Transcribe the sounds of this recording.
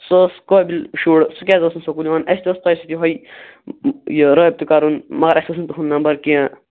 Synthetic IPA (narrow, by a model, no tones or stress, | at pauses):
soskobilʃuːɽsukʲazɐsunsokuliʋanɐst̪iɔst̪ːsit̪iɦɔj | jəɾəːb̚t̪ukaɾunmɐɡɐɾɐsɐsunt̪uɦunːɐmbɐɾkiã